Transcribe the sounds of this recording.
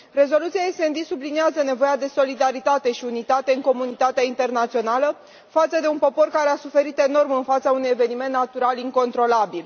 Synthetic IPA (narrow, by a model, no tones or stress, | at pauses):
re̞zo̞lut̪sijaese̞nd̪isubliniazəne̞vo̞jad̪e̞so̞lid̪aɾit̪at̪e̞ʃiunit̪at̪e̞ɨŋko̞munit̪at̪eaint̪e̞rnat̪sio̞nalə | fat̪səd̪e̞unpo̞po̞rkaɾe̞asufe̞ɾit̪e̞no̞rmɨnfat̪saunuje̞ve̞nime̞nt̪ːnat̪uɾaliŋko̞nt̪ɾo̞labil